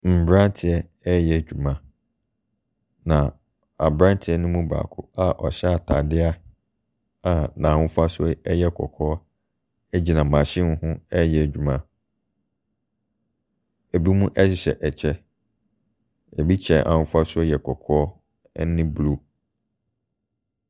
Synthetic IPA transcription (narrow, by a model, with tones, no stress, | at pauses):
m̩˨bɾã˦n˦tʰɪ˨ɛ˦ | ɛ˦jɛ˨d͡ʑᶣu˨mã˦ | nã˨ | a˨bɾã˦n˦tʰɪ˨ɛ˦nɪ̃˦mũ˦ba̰ː˨kʰʊ˦a˨ʔɔ˨ɕɛ˦a˨tʰa̰˨dɪ˦a˦ | a˨nãː˨hʊ̃˦fʊ˦a˦sʊ˦ɔ˦ɛ˦jɛ˦kʰɔ̰˨kʰɔː˦ | ɛ˦d͡ʑi˦nã˨mã˨ɕɪ̃˦hʊ̃˦ɛ˦jɛ˨d͡ʑᶣu˨mã˦ | æ˨bi˦mũ˦ʔɛ˦ɕɪ˨ɕɛ̰˨ʔɛ˨t͡ɕʰɛ˦ | ɛ˨bi˦t͡ɕʰɛ̃˨ʔa̰˨hʊ̃˦fʊ˦a˦sʊ˦ɔ˦jɛ˨kʰɔ˨kʰɔː˦ | nɪ̃˦blu˦